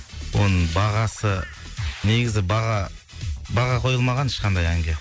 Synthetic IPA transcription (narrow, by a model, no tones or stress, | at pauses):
wo̞nəɴbɑʁɑsə | neɡʲɪzɪbɑʁɑ | bɑʁɑqʰo̞jəlˠmɑʁɑnɪʃqɑnd̪ɑjæŋɡʲe